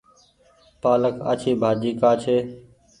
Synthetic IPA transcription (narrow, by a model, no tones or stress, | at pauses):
paːləka̰ːt͡ʃʰiːbʱaːd͡ʒiːkaːt͡ʃʰeː